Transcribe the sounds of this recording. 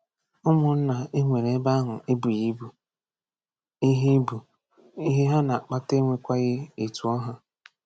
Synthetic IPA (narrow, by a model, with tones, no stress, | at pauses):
ʊ˦mʊ˨n̩˦na˨i˦ŋʷe˨ɾe˦ba˦ɦʊ˨e˦bu˨ji˦bu˨ | i˦ɦi˦bu˨ | i˦ɦe˦ɦa˦na˨a˨k͡pa˦te˦ŋʷe˨kʷa˦ɣɪ˦e˨tu˨ɔ˦ɦa˦